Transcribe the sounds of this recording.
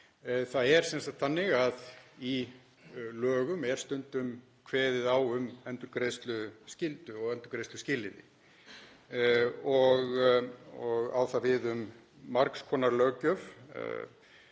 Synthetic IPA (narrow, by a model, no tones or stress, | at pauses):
θaðɛɾ̥sɛnsat̪θanːɪɣaði | lœːɣʏmɛɾ̥st̪ʏnt̪ʏm | kʰvɛːðɪðawʏmɛnt̪ʏɾkɾejst̪lʏscɪlt̪ʏɔɣɛnt̪ʏɾkɾejst̪ʏscɪːlɪnɪ̰ | ɔɣ | ɔɣa̰ːwθavɪðʏmː | aɾkskʰɔːnaɾlœːɣcœv̰